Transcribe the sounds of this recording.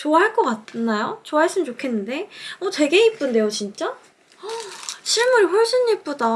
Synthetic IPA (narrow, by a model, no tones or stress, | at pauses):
t͡ɕoaɦaɭk͈ʌk͈at̚nːajot͡ɕoaɦaɭs͈ɯmɯnt͡ɕokʰe̞nːɯnde̞ʌtwe̞ɡe̞ip͈ɯnde̞jot͡ɕint͡ɕ͈a | ʌɕʰiɭmuɾɸoɭs͈ʰɯnːip͈oda